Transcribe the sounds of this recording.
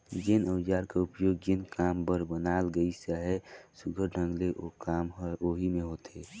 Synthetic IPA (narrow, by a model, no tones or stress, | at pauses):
d͡ʒɪnəwd͡ʒaɾkaupjoɡ̚d͡ʒɪnkambəɾbənalɡəisəɦɛsuɡʱəɾɖʱə̃ŋɡleʔokamɦoɦimeɦot̪ʰe